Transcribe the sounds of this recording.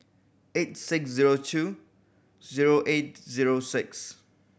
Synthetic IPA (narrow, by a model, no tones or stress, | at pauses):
etsɪksziɹotʰu | ziɹoʔet̚ziɹosɪks